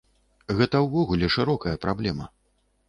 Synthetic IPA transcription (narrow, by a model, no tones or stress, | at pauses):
ɣɛt̪ɐwvɔɣulʲɛʂɨɾɔkɐjɐpɾablʲɛmɐ̰